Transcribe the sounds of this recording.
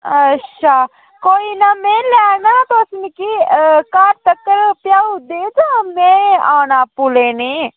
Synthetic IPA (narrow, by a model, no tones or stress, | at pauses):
ətːʃʰaː | koːiːnamẽːlɛːnaːt̪osnikiːkaːɾt̪əkːəɾpjaːud̪eːt̪omẽːaːnaːpʊleːneː